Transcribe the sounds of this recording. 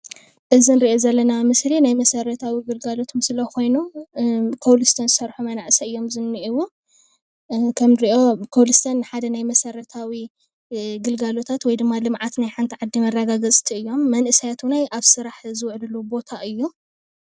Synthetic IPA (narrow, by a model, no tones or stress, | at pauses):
ʔɨzinɾiʔo̞zɐlːɐnamɨslinajmɐsɐɾɐt̪ʰawiɡɨlɡalo̞t̪ʰomsɨlɐkʰo̞jnu | kʰowlɨst̪ʰɐnzɨsɐɾħumɐnaʔɨsɐɨjːo̞mzɨnːiʔiwu | kʰɐmɾiʔo̞kʰolɨst̪ʰɐnːɨħad̪ɐnajmɐsɐɾɐt̪ʰawi | ɡɨlɡalo̞t̪ʰat̪wɔjd̪ɨmːalɨmʕat̪najħant̪ʰiʕad̪ːimɐrːɐɡaɡɐt͡sʼt̪ʰiɨjːo̞mːɐnʔɨsijat̪ʰunajʔaβsɨɾaħzɨwʊʕlɨlubo̞t̪ʰaʔɨjːu